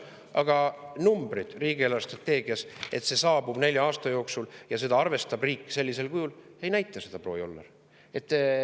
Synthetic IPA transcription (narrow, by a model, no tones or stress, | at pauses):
ɑɡ̥ɑnumbɾid̪̥riːɡ̥ielɑrst̪rɑt̪ːe̞ːɡ̥iɑse̞t̪se̞sɑːbub̥ne̞lʲjɑɑːst̪ɑjo̞ːksuljɑse̞d̪ɑɑrve̞st̪ɑbriːkːse̞lʲːise̞lkujulejnæjt̪ˑːɑse̞d̪̥ɑpro̞ːjo̞̰lːɑ̰r | e̞t̪ːˑ